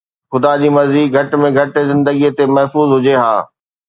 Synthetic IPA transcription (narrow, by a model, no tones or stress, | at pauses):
xʊd̪ad͡ʑiːmɐziːɡʱɐʈmẽɡʱɐʈzɪ̃nd̪əɡiet̪emɐɦfuːzɦʊd͡ʑeɦa̰ː